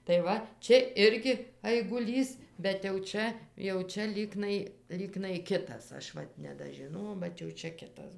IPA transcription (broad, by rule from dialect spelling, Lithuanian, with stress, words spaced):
tɐɪ ˈʋɐ ˈt͡ʃʲɛ ˈɪrʲɡʲɪ ɐɪɡʊˈlʲiːs bʲɛt jɛʊ ˈt͡ʃʲɛ jɛʊ ˈt͡ʃʲɛ ˈlʲiːknɐɪ ˈlʲiːknɐɪ ˈkʲɪtɐs ˈɐʃ ˈʋɐt nʲɛdɐʒʲɪˈnoːjɛʊ bʲɛt jɛʊ ˈt͡ʃʲɛ ˈkʲɪtɐs